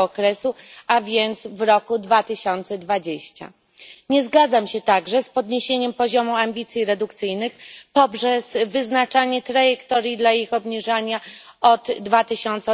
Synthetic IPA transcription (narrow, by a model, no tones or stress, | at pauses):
ɔkɾɛsuavʲjɛnt̪svɾɔkud̪vat̪ɘɕɔnt̪sɛd̪vad͡ʑeɕt͡ɕa̰ | ɲɛzɡad̪zamɕɛt̪aɡʐɛspɔd̪ɲeɕeɲɛmpɔʑɔmuambʲit̪sʲjiɾɛd̪ukt̪sɘjnɘxpɔpʐɛzvɘznat͡ʂaɲɛt̪ɾajɛkt̪ɔɾjid̪laixɔbɲiʐaɲaɔd̪ːvat̪ɘɕɔnt̪sɛ